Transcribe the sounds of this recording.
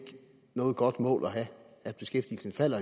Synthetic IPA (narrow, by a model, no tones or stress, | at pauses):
ɡ̥ | nɔ̽ːð̞̩ˠɡ̥ɒ̽d̥mɔ̰ːlɒɦæ | æd̥̚b̥e̝sɡ̥efd̥ḭl̩sn̩fæl̰ɐ